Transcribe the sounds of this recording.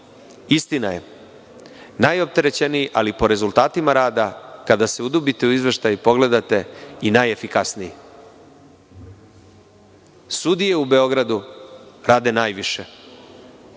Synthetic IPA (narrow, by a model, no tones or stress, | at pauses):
ist̪inaje̞̰ | najo̞pt̪e̞ɾe̞t͡ɕenijiʔalipo̞ɾe̞zulˠt̪aːt̪imaɾaːd̪akad̪ase̞ud̪ubit̪e̞uizʋeʃt̪ajupo̞ɡle̞d̪at̪e̞inaje̞fikasniji | sud̪ije̞ube̞o̞ɡɾad̪uɾaːd̪e̞naːjʋiʃe